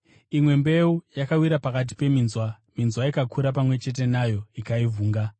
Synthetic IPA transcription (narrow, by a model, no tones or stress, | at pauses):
imwe̞mbe̞ujakawiɾapakat̬i̥pe̞minzwa | minzwaikakʰuɾapamwe̞t͡ʃe̞t̬e̞najo̞ikaivuːŋɡa